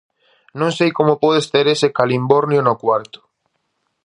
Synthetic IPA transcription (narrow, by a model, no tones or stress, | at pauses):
nõŋsejkomʊpɔð̞est̪eɾesekalimboɾnjonokwaɾt̪ʊ̥